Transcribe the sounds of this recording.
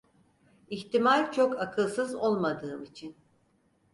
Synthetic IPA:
içt̪imalʲt͡ʃʰokakʰɯlˠsɯzo̞lˠmad̪ɯːmit͡ʃʰin

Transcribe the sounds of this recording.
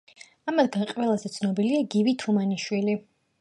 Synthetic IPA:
amad̪ɡanqʼwɛlˠazɛt̪sʰnɔbiliaɡivit̪ʰumaniʃwili

